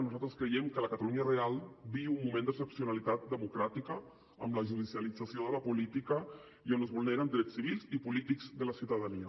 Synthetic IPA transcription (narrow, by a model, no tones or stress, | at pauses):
nuzalt̪ɾəskɾejɛmkələkat̪aluɲərealˠbiumːumẽnd̪əksəpsiunalit̪at̪̚d̪əmukɾat̪ikə | ə̰mləʒuðisjəlid͡zəsioðələpulit̪ikə | ionəzβulneɾəmd̪ɾɛt͡sːiβ̞ilˠzipulit̪ikzðələsiwt̪aðaniə